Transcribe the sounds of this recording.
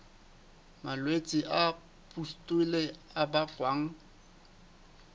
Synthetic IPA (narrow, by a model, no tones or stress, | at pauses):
malwet͡sʼiʔa | pʼustʼileabakʼwaːŋ̩